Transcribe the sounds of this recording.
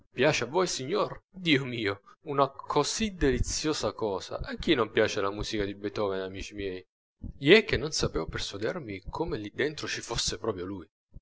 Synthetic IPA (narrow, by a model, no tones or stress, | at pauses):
pjaːt͡ʃeavːojsiɲːord̪iːomiːounakʰozid̪elit̪sːjoːzakɔːza̰ʔak̟ːinompjaːt͡ʃelamuːzikad̪ibet̪ɔːvenamiːt͡ʃimjɛːj | jɛk̟ːenːonsapeːvoperswad̪ɛrmikʰomelid̪ːent̪ɾot͡ʃifosːepɾɔːpɾjoluj